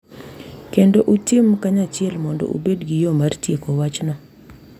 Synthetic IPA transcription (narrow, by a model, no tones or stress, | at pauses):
kendoʔutimkaɲat͡ʃɪɛlmɔndɔ̰ʔṵbedɡijomartjekowat͡ʃnɔ